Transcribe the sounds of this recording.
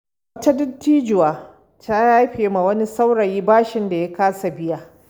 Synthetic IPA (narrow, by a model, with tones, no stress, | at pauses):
ɐ˦ta˦dɪ˦tːiː˦d͡ʒʊ˨waː˨ | taː˦jaː˦ɸeː˨ma˨wɐ˦ni˦sa˦wɽɐ˨jiː˦baː˦ʃɪ˨nda˨ja˦kaː˦sa˨bɪ˦ja˦˨